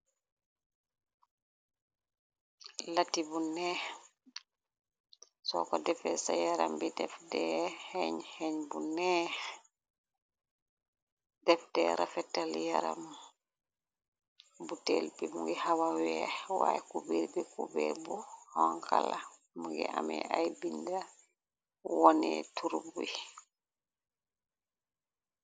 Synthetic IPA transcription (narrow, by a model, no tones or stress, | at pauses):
latibunɛ | sɔkɔdɛfɛsajaɾambidɛfdɛhɛɲhɛɲbunɛh | dɛfdɛːɾʔafɛtːaljaɾa̰m | butelbimuŋɡɛhawawɛwa̰jɛkubiɾbikubɛbuhɔŋkʰala | muŋɡɛ̰ʔa̰mɛ̰ʔajbinda | wɔnɛtuɾbui